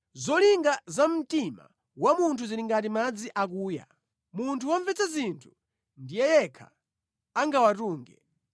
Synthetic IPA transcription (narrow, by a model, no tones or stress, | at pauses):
zɔliŋɡazam̩tima̰ | wamuntʰuziliŋɡatimad͡ziʔak̬uːja̰ | muntʰuwaɱvɛt͡sazintʰu̥ | ndijɛjɛkʰa̰ | aŋɡawatuːŋɡɛ